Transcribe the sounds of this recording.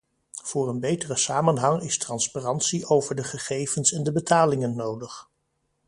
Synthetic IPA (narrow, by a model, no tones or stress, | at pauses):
v̥ʊːrənbejtərəsaːmənɦɑŋɪstrɑnsparɑntsiʔowvəɹdəχəχejvənsɛndəbətaːlɪŋənːowdəχ